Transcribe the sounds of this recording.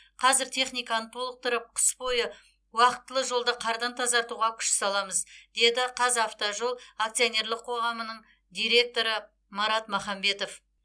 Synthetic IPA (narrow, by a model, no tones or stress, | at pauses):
qʰɑzɪɾt̪ʰe̞χnijkɑnət̪ʰo̞lˠəq̚t̪ʊɾəp̚qʰə̥sbo̞jə | wɑqə̥t̪ːəlˠəʒo̞lˠd̪əqʰɑɾd̪ɑnt̪ʰɑzɑɾt̪uʁɑkʲʰʏ̥ʃsɑlˠɑməzd̪̥e̞d̪ɪqʰɑzɑft̪oʒo̞lˠak̚t̪sijone̞ɾlˠɪqʰːo̞ʁɑmənəɴ | d̪ijɾe̞k̚t̪o̞ɾə | mɑɾɑt̪mɑχɑmbe̞t̪o̞f